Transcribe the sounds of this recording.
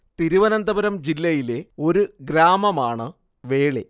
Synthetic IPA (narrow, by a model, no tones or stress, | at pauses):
t̪iɾuʋɐnɐnd̪ɐbɐɾɐmd͡ʑilːɐjile̞o̞ɾuɡɾaːmɐmaːɳɨ | ʋe̞ːɭe